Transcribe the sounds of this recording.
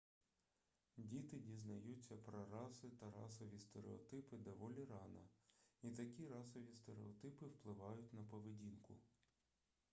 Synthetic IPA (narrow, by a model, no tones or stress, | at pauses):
dʲit̪ɪdʲiznɐjut͡sʲːɐpɾɔɾɑsɪt̪ɐɾɑ̰sɔʋʲist̪eɾeɔ̰t̪ɪpɪd̪ɔʋɔlʲiɾɑnɐ̰it̪ɐkʲiɾɑsɔʋʲist̪eɾeɔt̪ɪpɪwplˠɪʋɑjʊtʲnɐpɔʋedʲinkʊ̰